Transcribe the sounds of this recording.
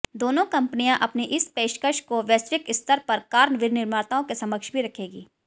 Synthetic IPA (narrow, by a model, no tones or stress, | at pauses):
d̪oːnõkɐ̃mpnijãʔɐpneʔɪspeːʃkəʃkoʋəːsʋɪkɪst̪ʰəɾpɐɾkaːɾnʋɪɾnɪɾmaːɾt̪aõkesɐməkʃbʱiɾɐkʰeːɡiː